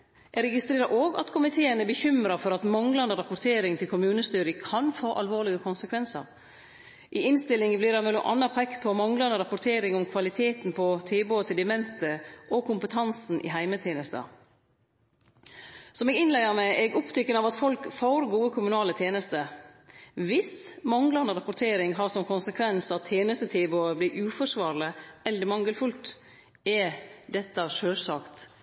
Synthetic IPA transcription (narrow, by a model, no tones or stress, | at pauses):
ʔɛɡɾɛɡɪst̪ɾeːɾəɾʔoːɡɑ̰t̪kʰʊmɪt̪ʰeːənɛbəçʏmɾɑfɔɾɑt̪mɑŋlɑnd̪əɾɑpʊt̪ʰeːɾɪŋt̪ʰɪlkʰʊmʉːnəst̪yːɾəkʰɑnfoːʔɑlʋoːlɪɡəkʰʊnsəkʰʋɛnsə̰ɾ | ʔɪɪnst̪ɪlɪŋbliːd̪ɛmɛlːʊmʔɑ̰nːɑpʰɔɛk̪pʰɔmɑŋlɑnd̪əɾɑpʊɾt̪ʰeːɾɪŋʊmkʰʋɑlɪt̪ʰeːt̪npʰɔt̪ʰeːboːət̪ʰɪld̪ɪəmɛnt̪ʰəʔɔkʰʊmpət̪ʰɑnsn̩ʔɪ̰ɦæɪmət̪ʰjeːnəst̪ə̰ | sɔmɛɡɪnlæɪəɾmɛʔɛɡʊpt̪ʰʏkːənɑʋɑt̪fɔlkfoːɾɡuːəkʰʊmʉnɑːlət̪ʰjeːnəst̪ə | ʋɪsmɑŋlɑnəɾɑpʊɾt̪ʰeːɾɪŋɦɑːɾsɔmkʰʊnsəkʰʋɛnsɑt̪ʰːjeːnəst̪ət̪ʰeːboːəblɪɾʔʉːfɔʂʋɑːɾləʔɛləɾmɑŋːəlfʉlt̪ | ɛd̪ɛt̪ːəʂøːsɑːkt̪